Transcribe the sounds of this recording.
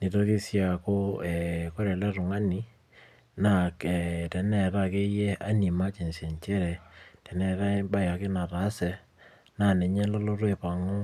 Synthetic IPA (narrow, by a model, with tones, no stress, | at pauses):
nɪ˨to˦kɪ˦sja˨ko˦ɛ˨kɔ˦ɾɛ˨lɛ˦ɾʊ˨ŋa˦ni˨˦ | na˦˨kɛ˨tɛ˨nɛ˨ɾa˦˨ke˦jɛ˦a˦ni˨ma˦t͡ʃe˨nsjɛ˨ɲt͡ʃɛ˦ɾɛ˨tɛ˨nɛ˦ɾa˦ba˦ja˨kɪ˦na˨ta˨˦sɛ˨ | na˦˨nɛ˨ɲɛ˦lɔ˦lɔ˦ɾwe˨pa˨ŋo˦